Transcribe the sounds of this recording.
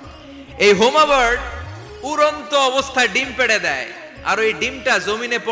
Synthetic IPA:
ejɦomabaɾɖ | uɾont̪oɔbost̪ʰaɖimpeɽed̪ɛe | a̰ɾejɖimʈazominepɔ

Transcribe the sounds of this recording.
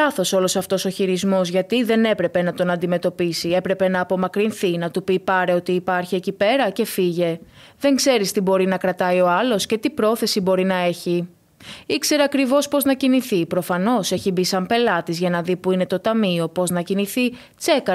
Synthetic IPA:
ɐθo̞so̞lo̞sɐft̪o̞so̞çiɾizmo̞zʝɐt̪iðe̞ne̞pɾe̞pe̞nɐt̪o̞nɐ̃nd̪ime̞t̪o̞pisie̞pɾe̞pe̞nɐːpo̞mɐkɾinθinɐt̪upiːpɐɾe̞o̞t̪iːpɐɾçiecipe̞ɾɐce̞fiʝe̞ | ðe̞ŋkse̞ɾist̪ibo̞ɾinɐkɾɐt̪ɐio̞ɐlo̞sce̞t̪ipɾo̞θe̞sibo̞ɾinɐe̞çi | ikse̞ɾeɐkɾivo̞spo̞znɐciniθipɾo̞fɐno̞se̞çibisɐmpe̞lɐt̪izʝɐnɐðipuine̞t̪o̞t̪ɐmio̞po̞znɐciniθi | t͡se̞kɐ

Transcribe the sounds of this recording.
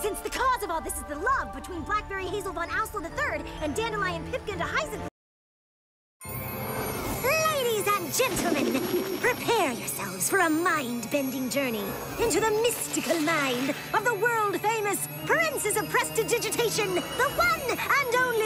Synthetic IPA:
sɪ̃nsðɨkʰɔzʌvɔlˠðɪsɨzðəlʌvbɨtʰw̥ĩnblæk̚b̥ɛɹiɦeɪzl̩ˠbʌ̃naʊsl̩ˠðəθɜ˞ɾɨ̃ndæ̃ndəlaɪɨ̃npʰɪp̚kɨ̃ndəhaɪzɨ̃n | leɪɾizɨ̃nd͡ʒɛ̃ntʰˡl̩ˠmɨ̃npʰɹ̥ipʰɛɹjə̰˞sɛ̰lˠvz̥fə˞əmãɪ̃nbɛ̃ndɪ̃ŋd͡ʒɜ˞ni | ɪ̃ntʉðəmɪstɨkl̩ˠmãɪ̃nd | ʌvðəwɜ˞lˠd̥fẽɪ̃mɨs | pʰə˞ɪ̃nsɨzəv̥pʰɹ̥ɛstʰɨdɪd͡ʒɨtʰeɪʃɨ̃nðəwʌ̃nə̃nõʊ̃nli

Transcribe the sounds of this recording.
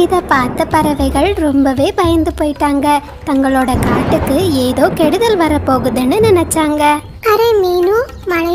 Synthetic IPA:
ɪðɐpaːɾt̪ːɐpɐɾɐʋɐɪɣɐɭɾɔmbɐʋeːpɐjɐnd̪ɯpoːjɪʈːaːŋɡɐ | t̪ɐŋɡɐɭoːɽɐkaːʈːɯkːɯeːðoːkɛɽɯðɐlʋɐɾɐpːoːɣɯðɛnːɯnɪnɛt͡ʃːaːŋɡɐ | ɐɾeːmeːnu | mɐnɐ

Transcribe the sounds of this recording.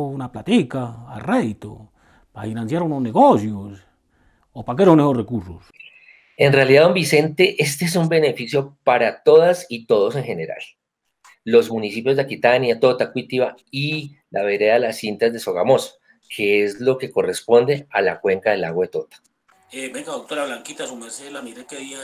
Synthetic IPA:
unaplat̪ika̰ːreðit̪o̰ | paɾafinansjaɾunozneɣosjos | opakeɾonːeɣosrekuɾsos | e̞nrealiðaðo̞mbise̞nt̪e̞ʔe̞s̬t̪eesumbene̞fisjo̞paɾat̪o̞ðasit̪o̞ðo̞s̬e̞ŋxe̞ne̞ɾa̰l | lo̞zmunisipjo̞zd̪ekit̪anjat̪o̞t̪akwit̪iβa | i | la̰βe̞ɾe̞ðalasint̪azd̪e̞so̞ɣa̰mo̞so̥ | kʰe̞ezlo̞ke̞ko̞re̞spo̞nd̪e̞alakwe̞ŋkaðe̞la̰ɣwaðet̪o̞t̪ḁ | ebeŋɡaðok̚t̪oɾaβlaŋkit̪asumeɾselamiɾekeaia

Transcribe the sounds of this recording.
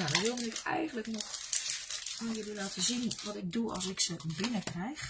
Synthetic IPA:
jadɔnʋɪlˠməɪkɛ̰jɣənləknɔx | ədəlaːtʰəzinʋɔtɪɡ̚duɑ̰lˠsɪksəbɪnəkrɛjx

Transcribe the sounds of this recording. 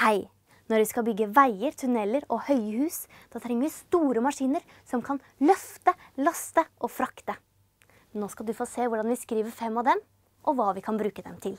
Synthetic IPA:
hæɪ | nɔɾʋɪskɑbʏɡːəʋæɪəɾt̪ʰʉnɛlːəɾɔhœʏəhʉːsd̪̥ɑːt̪ʰɾɛŋːəɾʋɪst̪uːɾəmɑʂiːnəɾ | sɔmkʰɑn | lœft̪əlɑst̪əʔɔfɾɑkt̪ə | noːskɑld̪ʉfoːseːʋʊɖɑnʋɪskɾiːʋəɾfɛmːɑʋd̪ɛm | ʔɔʋɑːʋɪkʰɑnbɾʉːkəd̪ɛmt̪ʰɪl

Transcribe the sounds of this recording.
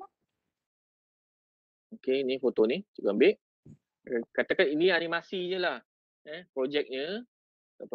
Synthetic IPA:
okenifot̪onit͡ʃukaambɪʔ | kat̪akaniniaɾimasiɲəlah | ɛpɾod͡ʒɛk̚ɲə | ap

